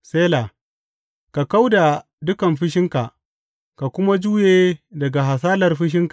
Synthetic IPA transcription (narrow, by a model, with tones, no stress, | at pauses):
seː˦laː˨ | ka˨ka˦wda˨ | dʊ˦kɐ˨mɸɪ˦ʃ̬ɪ˦ŋka˨ʔ | ka˨kʷʊ˦ma˦d͡ʒuː˦jeː˦˨dɐ˨ɡa˨ɦa˨saː˦lɐ˨rɸɪ˦ʃ̬ɪ˦ŋka˨